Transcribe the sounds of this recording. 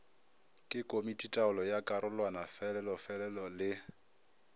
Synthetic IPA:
kʼɪkʼomitʼitʼaʊlɔjakʼaɾʊlwanafɛlɛlɔfɛlɛlɔlɪ

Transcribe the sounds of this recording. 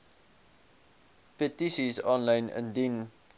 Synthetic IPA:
pətisizɔ̃nlãɪ̃nə̰̃ndin

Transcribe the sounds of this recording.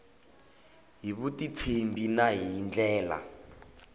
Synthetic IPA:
ɦiβutit͡sʰembinaɦind͡ɮɛːla̰

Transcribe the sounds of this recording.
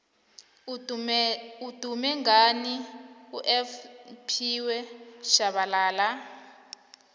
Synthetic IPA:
ud̥ʱumɛŋɡaniuʔɛfpʰiwɛʃaβalaːla

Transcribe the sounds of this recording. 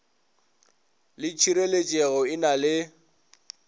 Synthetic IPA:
lɪt͡ʃʰiɾelet͡ʃʼeɣɔɪnalɪ

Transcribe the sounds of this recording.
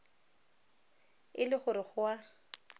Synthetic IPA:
ɪlɪχʊɾɪχʊwa

